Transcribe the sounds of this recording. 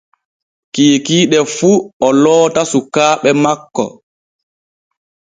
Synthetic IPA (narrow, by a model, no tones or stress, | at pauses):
kiːkiːɗɛfuɔlɔːtasukaːɓɛmakːɔ̰